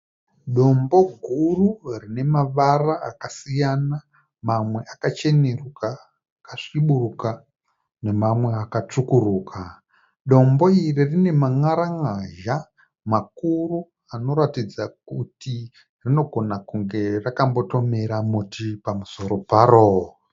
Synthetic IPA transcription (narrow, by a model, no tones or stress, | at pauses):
ɗo̞mbo̞ɡʱururine̞maʋaraakasijana | mamwe̞ʔakat͡ʃe̞neruka | kaʂiɓuruka | ne̞mamwe̞akat͡ʂukuruːkʰa | ɗo̞mbo̞iririne̞maŋaɾaŋaʒa | makuru | ano̞ɾatid͡zak̚uti | rino̞ɡʱo̞nakuŋɡe̞rakambo̞to̞me̞ɾamutʰipamuso̞ɾo̞paroː